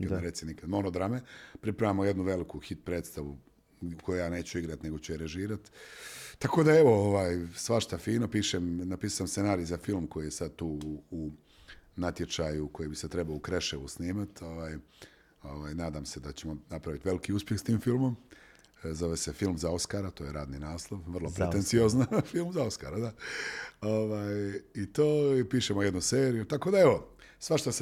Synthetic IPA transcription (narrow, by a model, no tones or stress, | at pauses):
kad̪ɾet̪sinikad̪mo̞nod̪ɾamepɾipɾaʋaːmoje̞d̪nuʋe̞likuxit̪̚pɾe̞ːd̪st̪aʋu | ukʰojujaːne̞ːt͡ɕuiɡɾat̪ne̞ɡot͡ɕujeɾeʒiːɾat̪t̪ːako̞d̪ae̞ʋo̞oʋaːjsʋaʃt̪afiːnopiːʃemnapiːsuamsenaːɾijzafilmko̞jijesad̪̚t̪uːu | nat̪je̞t͡ʃajuko̞jibiset̪ɾebaloukɾeʃeʋusniːmat̪o̞ʋaːj | o̞ʋaːjnaːd̪amse̞d̪at͡ɕemo̞napɾaʋit̪ʋe̞likiuspjexst̪iːmfilˠmom | zo̞ʋese̞filˠmzao̞skaɾat̪oːjeɾaːd̪ninaːslˠoʋʋrlˠopɾeent̪sio̞znafilˠmzao̞skaɾad̪a | oʋaːjit̪oːpiːʃemoje̞d̪nuseːɾijut̪ako̞ːd̪aeʋo̞ | sʋaʃt̪os